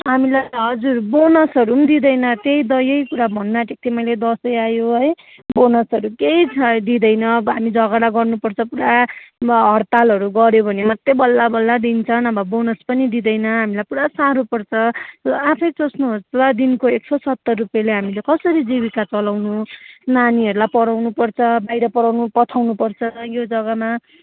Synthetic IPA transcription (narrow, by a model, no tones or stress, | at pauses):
ɦamilajɦʌd͡zurbonʌsɦʌɾund̪id̪ʌjnʌt̪ejd̪ʌjʌjkuɾabʱʌnːaʈek̚t̪emʌjled̪ʌsʌjajoɦʌj | bonʌsʌɾukeid̪id̪ʌjnʌɦamid͡zʱʌɡʌɾaɡʌrnupʌrt͡sʰʌpuɽa | ɦʌrt̪alɦʌɾuɡʌɾjobʱʌnemʌt̪ːebʌlːabʌlːad̪int͡sʰʌnʌbʌbonʌspʌnid̪id̪ʌjnʌɦamilajpuɽasaɾopʌrt͡sʰʌapʰʌjsosnuɦost͡sʌd̪inkoeksʌsʌt̪ːʌrrupjaleɦamilekʌsʌɾid͡ziβikat͡sʌlawnunaniɦʌɾulajpʌɾawnupʌrt͡sʰʌbajɾʌpʌɾawnupʌt̪ʰawnupʌrt͡sʰʌjod͡zʌɡʌma